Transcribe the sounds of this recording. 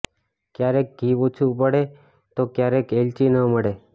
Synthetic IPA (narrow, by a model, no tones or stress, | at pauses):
kjaɾek̚ɡʱiʋot͡ʃʰũp̬əɽe | t̪okjaɾekelt͡ʃinəməɽe